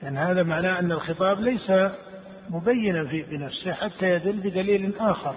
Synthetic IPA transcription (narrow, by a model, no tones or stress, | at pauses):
lʔanːihaːðamaʕnaːʔanːɪlxɪt̪ˤɑːblajsa | mʊbajːɪnafiːbɪnafsɪħat̪ːajad̪ɪlːbɪd̪aliːlʔaːxɑɾˤ